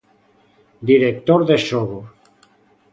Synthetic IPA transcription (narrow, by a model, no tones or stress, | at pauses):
d̪iɾek̚t̪oɾðesoɣo